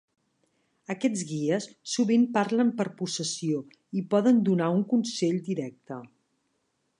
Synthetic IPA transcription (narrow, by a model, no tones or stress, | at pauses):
əkɛd͡zɣiəsːuβimpaɾləmpəɾpusəsio | ipɔðənd̪unauŋkunseʎd̪iɾɛk̚t̪ə